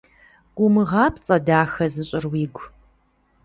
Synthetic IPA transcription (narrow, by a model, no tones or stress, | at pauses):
ɡʷʼʊmɨʁɑːpʰt͡sʼɐdaːxɐzɨɕʼɪrwiːɡʷ